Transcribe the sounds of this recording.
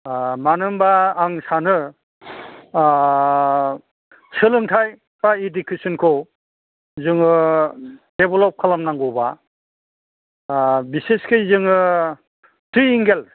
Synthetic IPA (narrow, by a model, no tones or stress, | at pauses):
manɯmbaːŋsanɯ | sɯlɯŋtʰaj | baidikʰisɯnkʰɔw | zɯŋɯ | debɔlɔp̚kʰalamnaŋɡɔwba | biseskʰɯjzɯŋɯ | t̪ʰɾiːŋɡel